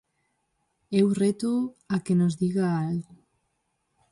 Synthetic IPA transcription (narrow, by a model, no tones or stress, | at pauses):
ewret̪uakenozðiɣaalɣo